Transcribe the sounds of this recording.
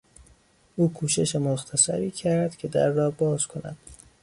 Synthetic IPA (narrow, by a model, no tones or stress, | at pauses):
ʔuːkʰuːʃe̞ʃemoxt̪ʰæsæ̰ɾiːcʰæɾd̪̥cʲʰe̞d̪æ̰ɾːɒːbɒːz̥kʰo̞næ̰d̪̥